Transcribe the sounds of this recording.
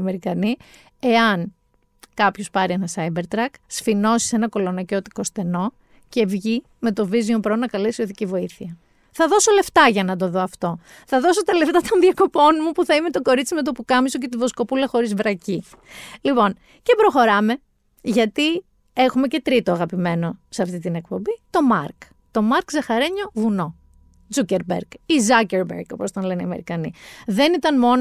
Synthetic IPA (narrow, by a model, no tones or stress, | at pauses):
ɐme̞ɾikɐni | e̞ɐn | kɐpço̞spɐɾie̞nɐsɐjbe̞ɾt̪ɾɐksfino̞si̥se̞nɐko̞lo̞nɐco̞t̪i̥ko̞st̪e̞no̞ | ce̞vʝi | me̞t̪o̞viziompɾonɐkɐle̞sioðicivo̞iθiɐ | θɐðo̞so̞le̞ft̪ɐʝɐnɐt̪̬o̞ðo̞ɐft̪o̞ | θɐðo̞so̞t̪ɐle̞ft̪ɐt̪o̞nðiɐko̞po̞nmupuθɐime̞t̪o̞ko̞ɾit͡sime̞t̪̬o̞pukɐmiso̞cet̪ivo̞sko̞pulɐxo̞ɾizvɾɐci | lipo̞n | ce̞pɾo̞xo̞ɾɐme̞ | ʝɐt̪i | e̞xume̞ce̞t̪ɾit̪oɐɣɐpime̞no̞seɐft̪it̪ine̞k̚po̞mbit̪o̞mɐɾk | t̪o̞mɐɾkzɐxɐɾe̞ɲo̞vuno̞ | d͡zuceɾbḛɾɡizɐceɾbeɾɡo̞post̪onle̞neiɐme̞ɾikɐnḭðe̞nit̪ɐnmo̞n